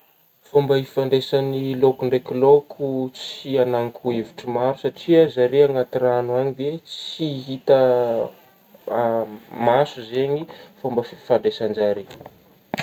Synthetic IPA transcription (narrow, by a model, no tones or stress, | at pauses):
fombəifaɳɖ͡ʐesanilokuɳɖ͡ʐekilokʰut͡sianaŋkʰueviʈ͡ʂimaɾusaʈ͡ʂiəzaɾeaŋat̪iɾanuaɲivet͡siɦit̪ə | masuzeɲifombəffaɳɖ͡ʐesand͡ʒaɾi